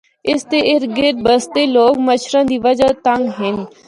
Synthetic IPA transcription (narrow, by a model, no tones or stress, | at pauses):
ɪst̪eːɪɾɡɪɾ̚bəst̪eːloːkməʃʰɾãːd̪iːʋəd͡ʒaːt̪əŋɡɦɪn